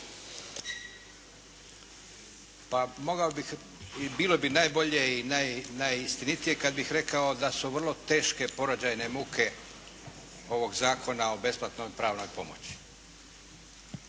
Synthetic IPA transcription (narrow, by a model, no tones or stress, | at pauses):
pamoɡaobix | biːlo̞binaːjbo̞ʎe̞inajnajist̪init̪ije̞kad̪̚bixɾe̞kao̞d̪asuʋr̩lˠo̞t̪e̞ːʃke̞po̞ɾod͡ʑajne̞mukʰe̞ | o̞ʋo̞ɡzaːkʰo̞nao̞be̞splat̪nojpɾaːʋno̞jpo̞mot͡ɕi̥